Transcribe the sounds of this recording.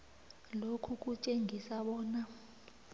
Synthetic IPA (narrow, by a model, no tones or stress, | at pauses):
lokʰuk̬ʼut͡ʃʼeŋʱisaɓɔːna